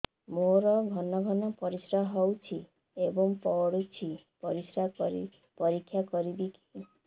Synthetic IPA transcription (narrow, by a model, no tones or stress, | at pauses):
moɾɔɡʱɔnɔɡʱɔnɔpɔɾisɾaɦɔwt͡ʃʰi | ebɔŋpɔɽut͡ʃʰi | pɔɾisɾai | pɔɾikʰːjakɔɾibiki̥